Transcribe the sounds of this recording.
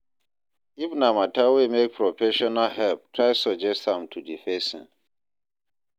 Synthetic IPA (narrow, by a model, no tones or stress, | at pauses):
ifnamatawemek̚pʰɹɔfɛʃɔnalɦɛlp̚tʰɹaɪsɔd͡ʒɛsthãmtʰudifɛ̃sḭ̃n